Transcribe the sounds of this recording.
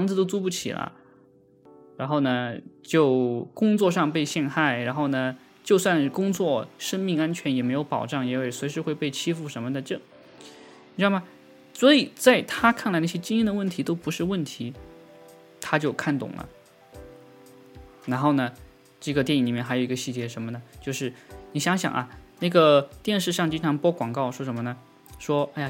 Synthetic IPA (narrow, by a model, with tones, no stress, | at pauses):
fɑ˧˥ŋt͡sɹ̩˧t̪o˥ʊt͡su˥pu˥˩t͡ɕʰḭ˨˩lʔə̰˦ | ɻa˧˥nxo˥˩ʊnə˩t͡ɕjo˥˩ʊkʊ˥ŋt͡swɔ˥˧ʂɑ˥˧ŋpe˥˧ɪɕjɛ˥˧nxa˥˩ɪɻa˧˥nxo˥˩ʊnə˩ | t͡ɕjo˥˧ʊswa˥˩˧n˩kʊ˥ŋt͡swɔ˥˩ʂə˥ŋmi˥˧ŋa˥nt͡ɕʰɥɛ˧˥njɛ˨˩me˧˥ɪjo˧˥ʊpɑ̰˨˩ʊʈ͡ʂɑ˥˩ŋjɛ˧˥o˥˩swe˧ɪʂɻ̩˧˥xwe˥˧ɪpe˥˩ɪt͡ɕʰi˥fu˥˩ʂə˧˥mə˧a˥˧ʈ͡ʂɤ˥˩ | i˨˩ɻ̩˥˩ma˨˩ | swɔ˧˥i˨˩t͡sa˥˩ɪt̪ʰa˥kʰa˥˩nla˧˥ɪna˥˩ɕjɛ˥t͡ɕi˥ŋi˥nd̪ə˨˩wə˥˩nt̪ʰi˧˥t̪o˥ʊpu˧˥ʂɻ̩˥˧wə˥˩nt̪ʰi˧˥ | t̪ʰa˥t͡ɕjo˥˧ʊkʰa˥˩nt̪ʊ̰˨˩ŋlə̰˦ | ɻa˧˥nxo˥˩ʊnə˩ | ʈ͡ʂɤ˥˩ɡə˩t̪jɛ˥˩ni˧˩li˨˩mjɛ˥˩nxa˧˥jo˩˧i˥ə˧ɕi˥˩t͡ɕjɛ˧˥ʂə˧˥mə˧nə˩t͡ɕjo˥˧ʊʂɻ̩˥˩ni˨˩ɕjɑ˧˥ŋɕjɑ̰˨˩ŋʔɐ̰˧na˥˩ɡə˩t̪jɛ˥˧nʂɻ̩˥˧ʂɑ˥˩ŋt͡ɕi˥nʈ͡ʂʰɑ˧˥ŋpwɔ˥kwɑ˨˩ŋkɑ˥˩ʊʂwɔ˥ʂ̬ə˧˥nmə˧nə˩ | ʂwɔ˥a˥˩ja˨˩